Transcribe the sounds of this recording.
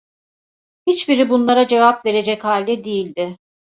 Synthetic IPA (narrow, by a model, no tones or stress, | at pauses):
hit͡ʃbiɾibunlˠaɾad͡ʒe̞vapve̞ɾe̞d͡ʒɛchalʲd̪ɛd̪ijilʲd̪ɪ